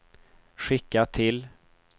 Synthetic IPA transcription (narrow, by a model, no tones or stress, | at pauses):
ɧɪkːat̪ʰɪl